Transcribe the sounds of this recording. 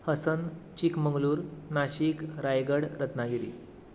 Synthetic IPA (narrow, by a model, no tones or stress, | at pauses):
həsənt͡ɕikməŋɡluːɾnaɕikɾajɡəɽɾət̪naɡiɾḭ